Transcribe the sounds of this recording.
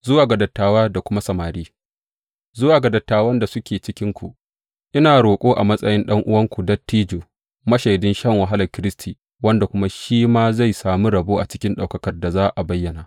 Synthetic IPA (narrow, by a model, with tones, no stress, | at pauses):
zʊ˦waː˨ɡɐ˨dɐ˨tːaː˦waː˦da˨kʷʊ˦ma˦sɐ˨maː˨ɾiː˦ | zʊ˦waː˨ɡa˨dɐ˨tːaː˦˨wɐ˦nda˨sʊ˦kʲeː˨t͡ʃɪ˦kʲɪ˦ŋkʷu˨ | ʔɪ˦naː˨ɽoː˨kʷʼoː˦ʔa̰˨mɐ˦sʼɐ˦jɪ˦nɗɐ˦ŋʔʊ˦wɐ˦ŋkʷu˨dɐ˦tːiː˦d͡ʒoː˨ | mɐ˦ʃa˨jdʊ˦nʃɐ˦ŋwɐ˨ɦa˦lɐ˨rkʲɪ˦ɾɪ˦stʰiː˨ | wɐ˦nda˨kʷʊ˦ma˦ʃiː˦maː˦za˦˨jsaː˨mu˦ɾɐ˨boː˦ʔa̰˨t͡ʃɪ̥˦kʲɪ˦nɗa˨wkɐ˦kɐ˨rda˨zaː˦ʔa˨bɐ˦jːɐ˨naː˨